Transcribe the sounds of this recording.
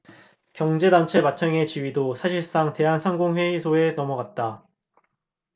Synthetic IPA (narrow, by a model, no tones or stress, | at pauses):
kjʌŋd͡ʑe̞dant͡ɕʰemat͡ɕʰʌŋe̞t͡ɕiɥidosʰaɕʰiɭs͈aŋte̞ɦansʰaŋɡoŋɸwe̞isʰoe̞nʌmʌɡat̚t͈a